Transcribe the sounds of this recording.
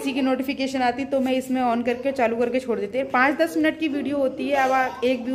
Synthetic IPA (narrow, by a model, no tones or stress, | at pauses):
sikinoːʈɪfɪkeːʃənaːt̪it̪omɛ̃ɪsmẽɔːnkɐɾket͡ʃaːlukɐɾket͡ʃʰoːɽd̪eːt̪ipãːt͡ʃd̪ɐsmɪnəʈ̚kiʋiːɖijoɦoːt̪iɦɛɐbaːeːk̚bʱiː